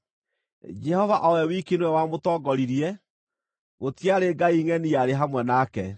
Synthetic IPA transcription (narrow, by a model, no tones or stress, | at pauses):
d͡ʒɛhɔvaʔɔwɛwikenwɛwamotɔɡɔɾiɾiɛ | ɣotiaɾeɡaiŋɛniaɾeɦamwɛnakɛ